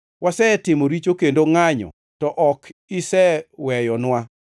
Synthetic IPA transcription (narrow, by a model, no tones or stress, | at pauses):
wʔasɛtɪmoɾit͡ʃokendoŋaɲɔ̰ | tɔʔɔkɪsɛwɛjɔnwa